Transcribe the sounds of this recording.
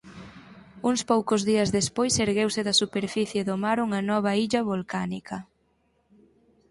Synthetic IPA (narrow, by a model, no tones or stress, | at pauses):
uŋspowkʊzðiɐzðespojseɾɣewsɪðɐsupeɾfiθjeðʊmaɾuŋɐnɔβ̞ɐiʎɐβolkanikɐ